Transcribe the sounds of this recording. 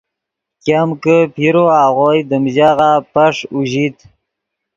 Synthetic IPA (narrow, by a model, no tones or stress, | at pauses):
kamkəpʰiɾoaʁojd̪əmʑaɣapaʂuʑit̪